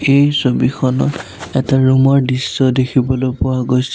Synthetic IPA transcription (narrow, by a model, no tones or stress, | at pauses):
ejsobixʰɔnɔ̰t | ɛtaɹumɔɹdisːɔdekʰibɔlopʊwaɡojsɛ